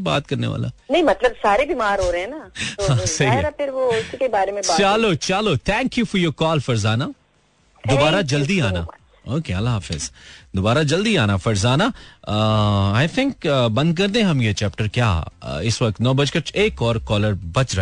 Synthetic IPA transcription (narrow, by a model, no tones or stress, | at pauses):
ba̰ːt̪kɐɾnḛʋa̰ːla̰nɐɦĩmɐt̪ləbsaːɾebimaːɾɦoːɾɦɛ̃nahãːsɐɦiapʰɪɾʋoɪskebaːɾemẽbaːt͡ʃalot͡ʃaːlot̪ʰɛ̃ːŋkjufɔɾjoːkɔːlfɐɾzaːna | d̪obaːɾad͡ʒɐld̪iaːna | oːkeɐlːaɦaːfɪ̰zd̪obaːɾad͡ʒɐld̪iaːnafɐɾzaːna | aːɪt̪ʰɪ̃ŋkbɐ̃nd̪̚k̬ɐɾd̪ẽɛ̃ɦɐmjet͡ʃɛːp̚ʈəɾkja̰ːɪsʋɐk̚t̪nɔːbɐd͡ʒkɐɾeːkɔːɾkɔːləɾbɐt͡ʃɾa